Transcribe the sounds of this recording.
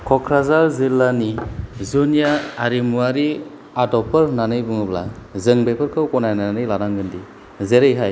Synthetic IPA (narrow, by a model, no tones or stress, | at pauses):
kʰɔkʰɾazaɾzilːanizunjaaɾimuaɾi | adɔpʰəɾnanɯjbɯŋɯbla̰zɯŋbepʰɯɾkʰɯwkɔnajnanɯjlaɾaŋɡɯndi | zeɾejɦaj